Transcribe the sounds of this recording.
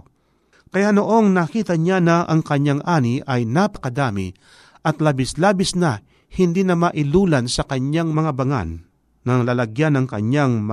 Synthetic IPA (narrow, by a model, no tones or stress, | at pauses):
kɐjanoʔo̞ŋnakiːt̪ɐɲanaʔɐŋkɐɲːaŋʔaːnɪʔɐjnapɐ̥kɐd̪aːmɪ̰ | ʔɐt̪labɪslaːbɪsnɐ | hɪnd̪iːnɐmaʔɪluːlansɐkɐɲjaŋmɐŋabɐŋa̰nː | ɐŋlaːlɐɡjanɐŋkɐ̰ɲjaŋm